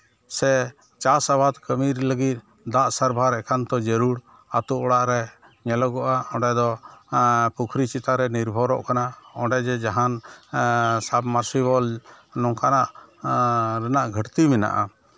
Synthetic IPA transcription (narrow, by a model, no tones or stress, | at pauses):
sɛ | t͡ʃasabad̪kəmiɾləɡit̪̚ | d̪aʔsaɾbʱaɾɛkʰant̪ɔd͡ʒəɾuɽ | at̪uʔɔɽaʔɾɛ | ɲɛlɔɡɔʔaɔ̃ɖɛd̪ɔ | pukʰɾit͡ʃit̪aɾɛniɾbʱɔɾɔ̰ʔkanaɔ̃ɖɛd͡ʒɛd͡ʒaɦan | sabmaɾsibɔlnɔŋkanaʔ | ɾɛnaʔɡʱəʈt̪imɛna̰ʔa